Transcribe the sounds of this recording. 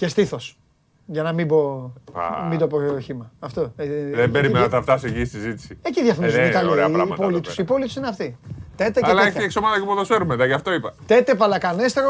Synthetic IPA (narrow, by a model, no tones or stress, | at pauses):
ce̞st̪iθos | ʝɐnɐmibo̞̰ | mid̪opoɾoçimɐːft̪oeðembeɾimenɐt̪ɐft̪ɐseʝisizit̪i̥sieciðjɐfonizkɐlieɐɾɐɐpolit̪usipo̞lit̪u̥sineɐft̪it̪et̪ecelɐeeçieksomɐt̪ɐkipoðɐseɾumeðɐʝɐft̪o̞ipɐt̪et̪epɐlɐkɐnest̪eɾo